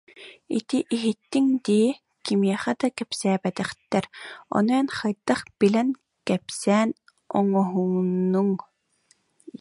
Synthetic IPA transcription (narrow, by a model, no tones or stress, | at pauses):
ḭt̪iʔiɦit̪ːiŋd̪iː | kimiɛχæd̪akɛpsæːbɛt̪ɛχt̪ɛɾɔ̰nuɛnχajd̪aχb̥ilɛn | kɛpsɛːn | ɔŋɔɦuŋnuŋ